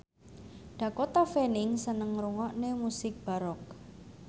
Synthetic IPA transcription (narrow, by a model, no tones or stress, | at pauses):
ɖ̥a̤kot̪afenɪŋsənəŋɾuŋɔʔnemusɪk̚b̥aɾɔk̚